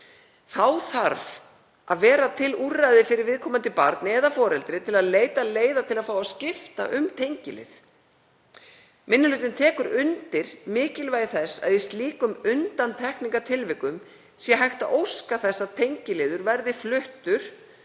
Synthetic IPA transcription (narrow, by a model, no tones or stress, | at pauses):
θawθaɾv | ʔaðvɛːɾat̪ʰɪlurajðɪfɪɾɪɾvɪðkʰɔːmant̪ɪpa̰ɾt̪nɪɛðafɔːɾɛlt̪ɾɪt̪ʰɪlaðleːjt̪aleːjðat̪ʰɪlaðfaːwascɪft̪a̰ʔʏmt̪ʰejɲcɪlɪ̰ð | mɪnːʏlʏːt̪ɪnt̪ʰɛːkʏɾʏnt̪ɪɾ̥mɪːcɪlvaːjɪθɛsːa̰ðjist̪liːkʏmʏnt̪ant̪ʰɛhkniŋkat̪ʰɪlvɪkːʏm | sjɛɦajxt̪aʔowskaθɛsːaðt̪ʰejɲcɪlɪːðʏɾvɛɾðɪflʏht̪ʏɾ̥